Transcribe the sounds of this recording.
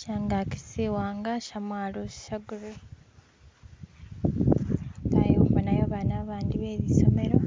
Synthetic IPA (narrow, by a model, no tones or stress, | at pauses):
caŋɡaci̥siwaːŋɡaʃamwaːlosi̥ʃaɡuɾu | ŋɡa̰joβanajoβanaβaːndiβeːβiso̞me̞ɾo